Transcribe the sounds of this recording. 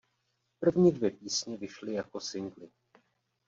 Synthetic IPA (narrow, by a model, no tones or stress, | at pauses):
pr̩vɲiːdvjɛpiːsɲɛvɪʃlɪjako̞sɪnɡlɪ